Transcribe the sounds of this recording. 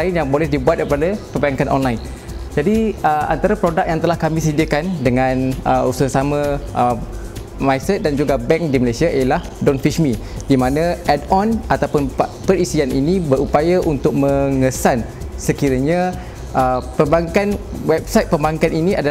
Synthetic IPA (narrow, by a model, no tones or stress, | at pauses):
aɪnjaŋbolɛhdibuat̪̚kəpadapəmbaŋkanʔɔ̰nlaɪn | d͡ʒadiəʔa̰nt̪aɾapɾodak̚jaŋt̪əlahkamĩsədiəkandəŋãnəususamə̃ʔə | majsɛt̪̚dand͡ʒuɡabɛŋk̚diməlasiaʔijəlah | dɔnfiʃmi | dimãnãɛdɔnʔat̪awpʊnpəɾisianʔinibəɾupajaʔunt̪ʊk̚mə̃ŋəsan | səkiɾəɲa | ʔəpəmbaŋkan | wɛb̚sajt̪̚pəmbaŋkaniniʔada